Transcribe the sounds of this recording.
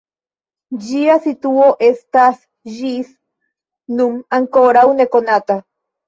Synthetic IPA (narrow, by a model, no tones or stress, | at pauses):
d͡ʒiasit̪uoʔest̪as | ʒis | numaŋkoɾawnekonat̪a